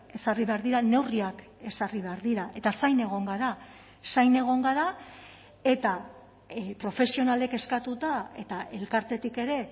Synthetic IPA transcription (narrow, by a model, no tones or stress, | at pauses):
e̞sariβe̞aɾðiɾane̞wriak | e̞sariβe̞aɾðiɾaʔe̞t̪asajne̞ɣ̞o̞ŋɡaɾa | sajne̞ɣ̞o̞ŋɡaɾa | e̞t̪a | pɾo̞fe̞sio̞nale̞keskat̪ut̪ae̞̰t̪ae̞lkaɾt̪e̞t̪ike̞ɾe̞